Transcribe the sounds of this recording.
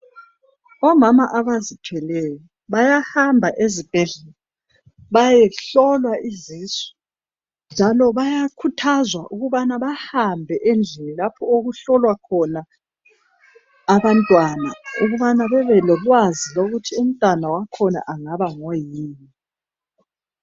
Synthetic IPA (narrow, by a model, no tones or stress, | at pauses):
ɔmamaʔaβazitʰwɛlɛjɔ | βajahambʱaʔezib̥ʱɛɮɛlɔ | βajɛɬɔlwaʔiziswɛ̥ | nd͡ʒʱalɔβajakʰutʰazwaʔuɣuβanaβahambʱɛʔend͡ɮʱinilapʰɔoɣuɬɔlwakʰɔna | βantʼwanauɣuβanaβɛβɛlɔlwaziloɣutʰium̩tʼwanawakʰɔna̰ʔaŋaβaŋɔjiːni